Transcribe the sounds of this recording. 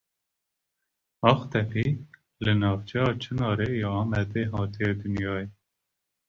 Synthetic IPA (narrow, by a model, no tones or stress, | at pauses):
ɑːxt̪ɛpiː | lɨnɑːft͡ʃʰɛɑːt͡ʃʰɨnɑːɾeːjɑɑːmɛd̪eːɦɑːt̪ʰijed̪ɨnjɑːje